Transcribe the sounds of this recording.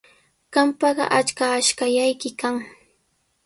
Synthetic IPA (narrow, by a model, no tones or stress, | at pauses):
ɢ̥ɑmpɑɢɑ̰ʔat͡ʃkaːʃkajajkɪkaŋ